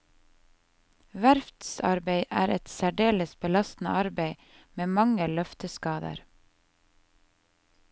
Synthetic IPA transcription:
ʋæɾft̪sɑ̰ɾbeɪʔæːɾɛt̪sæɖeːləsbəlɑst̪n̩ə̰ʔɑɾbeɪ | meːmɑŋəlœft̪əskɑːd̪ə̰ɾ

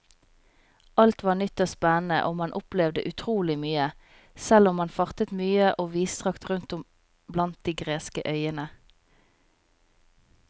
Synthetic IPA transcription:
ʔɑlt̪ʋɑːnʏt̪oːspɛnn̩ə̰ʔoːmɑnʔʊplɛʋd̪ə̰ʔʉt̪ʰʁuːlɪmyːə | sɛlʊmːɑnfɑʁt̪ət̪myːəʔoːʋiːst̪ʁɑkt̪ʁʉnt̪ʊm | blɑnt̪̚d̪̥iːɡʁeːskəʔœʏənə

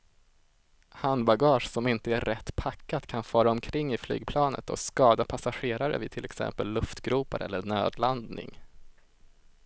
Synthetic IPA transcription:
hand̪baɡɑːʂsɔmɪnt̪əæɾʔɛt̪ːpʰakːat̪kʰanfœːɾaɔmkʰɾɪŋːɪfly̰ːɡpʰlɑːnə̰t̪ɔ̰skɑːd̪apʰasaɧeːɾaɾə̰vɪt̪ʰɪlʔɛksɛ̰mpəlːɵft̪ɡɾuːpaɾʔɛ̰lːəɳø̰ːd̪land̪nɪ̰ŋ

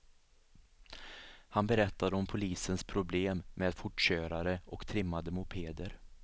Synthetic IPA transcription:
hanbɛɾɛt̪ːad̪əɔmpʰʊliːsənspʰɾʊbleːmːeːd̪fʊʈɕøːɾaɾəʔɔkt̪ʰɾɪmːad̪əmʊpʰeːd̪əɾ

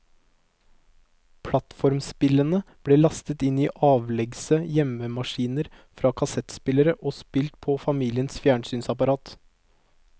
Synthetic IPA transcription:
pʰlɑt̪fɔɾmspɪlənəb̥ɽeːlɑst̪ət̪ɪniːʔɑːʋlɛɡsəjɛməmɑʂiːnəɾ | fɾɑːkʰɑsɛt̪spɪləɾəʔoːspɪlt̪̚pʰofɑmiːlɪənsfjæːɳsyːnsɑpɑɾɑːt̪

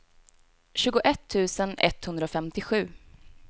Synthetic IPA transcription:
ɕʉ̟ːɡʊʔɛt̪ʰːʉ̟ːsənɛ̰t̪hɵnd̪ɾaɔfɛmt̪ɪɧʉ̟ː

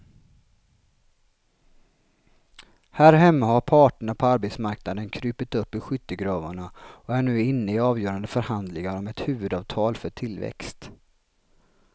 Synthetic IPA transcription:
hæːɾɦɛmːahaɾpʰɑːʈəɳapʰɔaɾbɛt̪smaɾknad̪ənkʰɾyːpɪt̪ɵpːɪɧʏt̪ːəɡɾɑːva̰ɳaɔæɳʉ̟ːɪnːəɪɑːvjœːɾand̪əfœɾhand̪lɪŋaɾɔmɛt̪hʉ̟ːvɵd̪ɑːvt̪ʰɑːlfœʈʰɪlːvɛ̰kst̪

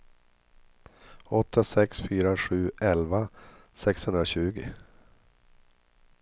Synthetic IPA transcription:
ɔt̪ʰːasɛksfyːɾaɧʉ̟ːɛlvasɛkshɵnɾaɕʉ̟ːɡɪ

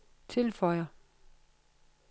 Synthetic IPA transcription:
t͡sʰe̝lfɒɪ̰ɐ

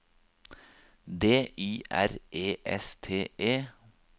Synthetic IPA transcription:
d̪eːʔiːʔæ̰ɾʔeːʔɛ̰st̪ʰeːʔeː

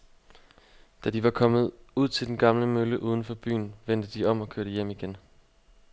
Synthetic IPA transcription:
d̥æd̥iʋɑ̈kʰɒ̽mð̞̩ˠuð̞̰ˠt͡sʰe̝ld̥enɡ̥ɑ̈mləmøləʔuːð̞ˠn̩fɒ̽b̥y̰ːnʋen̰d̥əd̥iɒ̽m̰ɒ̽kʰøɐɾəjem̰iɡ̥en

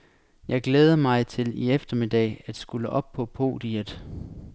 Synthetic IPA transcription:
jɑ̈ɪɡ̥leːð̞ˠɐmɑ̈ɪt͡sʰe̝liefd̥ɐmid̥ɛ̰ɪæd̥sɡ̥uləʔɒ̽b̥̚pʰɔ̽pʰo̝̰ːd̥iəd̥ˠ

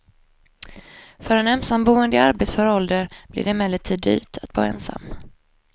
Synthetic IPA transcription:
fœɾɛnɛmsambuːənd̪əa̰ɾbeːt̪sfœɾɔld̪əɾb̥lɪ̰d̪ɛmɛlːət̪ʰiːd̪y̰ːt̪ʰat̪̚b̥o̰ːɛ̰ːnsa̰mː

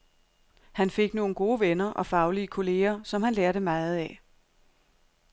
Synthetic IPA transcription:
hænfe̝ɡ̥no̝ːn̩ɡ̥o̝ːʋenɐʔɒ̽fɑ̈ʊliəkʰo̝le̝̰ːɐsɒ̽mhænleɐɾəmɑ̈ɪð̩ˠɛ

